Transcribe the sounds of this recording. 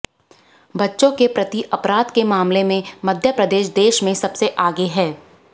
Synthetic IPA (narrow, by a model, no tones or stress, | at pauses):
bɐtːʃõkepɾɐt̪iʔɐpɾaːd̪kemaːmlemẽmɐd̪ʱjəpɾɐd̪eːʃd̪eːʃmẽsɐbseʔaːɡeɦɛː